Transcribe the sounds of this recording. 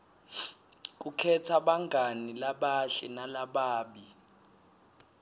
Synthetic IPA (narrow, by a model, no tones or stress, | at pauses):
k̬ʼukʰɛtʰaɓaŋɡʱanilaɓaʃɛnalaɓaːɓi